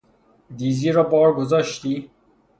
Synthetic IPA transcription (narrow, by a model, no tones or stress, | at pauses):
d̪iziːɾɔːbɔːɾɡozɔːʃt̪iː